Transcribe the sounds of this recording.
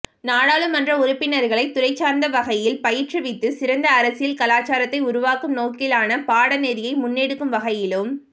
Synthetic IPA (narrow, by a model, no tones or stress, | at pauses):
naːɽaːɭɯmɐndrɐʊɾʊpːɪnɐɾɣɐɭɐɪt̪ʊɾɐɪt͡ʃːaːɾnd̪ɐʋɐɣɐjɪlpɐjɪʈrɐʋɪt̪ːɯsɪɾɐnd̪ɐːɾɐsɪjɪlkɐlaːt͡ʃaːɾɐt̪ːɐɪʊɾʊʋaːkɯmnoːkɪlaːnɐpaːɽɐneðɪjɐɪmʊnːeɽɯkːɯmʋɐɣɐjɪlɯm